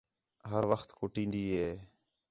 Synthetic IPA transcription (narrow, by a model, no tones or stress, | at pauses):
ɦəɾʋəxt̪kʊʈĩːnd̪iːɦeː